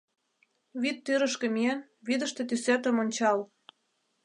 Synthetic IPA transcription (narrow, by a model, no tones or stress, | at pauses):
βit̪ːyɾə̆ʃkə̆mien | βid̪ə̆ʃt̪ĕt̪ysæt̪ə̆monʲt͡ɕɑl